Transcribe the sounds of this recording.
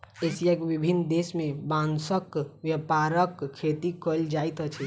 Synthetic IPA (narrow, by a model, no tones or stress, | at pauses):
esijakebibʱinːd̪esmebãnsəkʋjəpaɾəkʰːet̪ikəld͡ʒajt̪ət͡ʃʰɛ